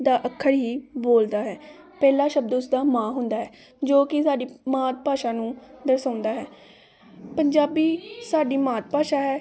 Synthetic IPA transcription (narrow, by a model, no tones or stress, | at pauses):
d̪aːʔəkʰːəɽɦiːboːld̪aːɦɛː | pɛːlaːʃəbd̪ʊsd̪aːmãːɦʊnd̪aːɦɛː | d͡ʒoːkɪsaːɖiːmaːt̪̚paːʃãːnũːd̪əɾsãːʊnd̪aːɦɛː | pəɲd͡ʒaːbiːsaːɖiːmaːt̪̚paːʃaːɦɛː